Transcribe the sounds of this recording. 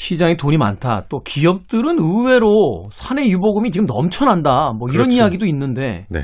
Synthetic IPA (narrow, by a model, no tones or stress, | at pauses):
ɕʰid͡ʑaŋetoɲima̰ntʰa̰t͈okiʌp̚t͈ɯɾɯnɯwe̞ɾosʰane̞juboɡɯmit͡ɕiɡɯmnʌ̰mt͡ɕʰʌnandamwʌiɾʌnijaɡidoinːɯnde̞nḛ